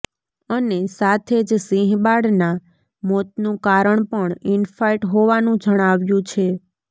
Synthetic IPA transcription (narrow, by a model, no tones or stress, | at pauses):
ənesat̪ʰed͡ʒsĩɦbaɽna | mot̪̚nũkaɾəɳpəɳɪnfajʈɦoʋanũd͡ʒəɽ̃aʋjũt͡ʃʰe